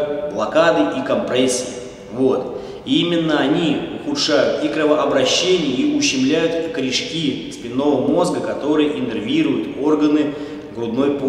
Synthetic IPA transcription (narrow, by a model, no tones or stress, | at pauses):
blˠɐkad̪ɨʔikɐmpɾɛsʲːɪi | vo̞t̪ | imʲɪnːəɐnʲiʊxʊt̪ʂajʊt̪ikɾəvəʔɐbɾɐɕːenʲɪjəiʊɕːɪmlʲæjʊt̪kɾʲiʂkʲispʲɪnːo̞vəmo̞zɡəkɐt̪o̞ɾɨjəʔɪnɨrvʲiɾʊjʊt̪o̞rɡənɨ | ɡɾʊd̪no̞jp